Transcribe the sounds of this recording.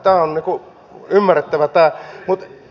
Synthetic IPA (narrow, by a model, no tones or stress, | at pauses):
t̪æːonniːku | ymːæret̪ːæʋæt̪æːmut̪